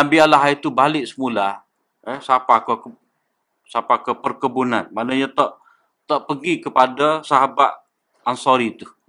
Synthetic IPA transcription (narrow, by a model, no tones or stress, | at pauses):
ambialaɦait̪ubalɪʔsəmula | əsapakəkə | sapakəpərkəbuna̰nmaʔnaɲat̪ɔʔ | t̪ɔʔpəɡikəpadasaɦabat̪̚ | ansɔɾit̪uh